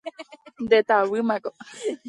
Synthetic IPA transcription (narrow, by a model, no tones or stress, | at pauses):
nd̪et̪awɨmãko